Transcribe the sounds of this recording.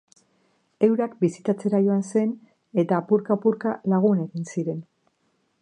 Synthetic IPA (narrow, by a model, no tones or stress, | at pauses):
e̞wɾakbisit̪at͡se̞ɾajo̞anse̞n | e̞t̪aːpuɾkapuɾkalaɣ̞une̞ɣinsiɾe̞n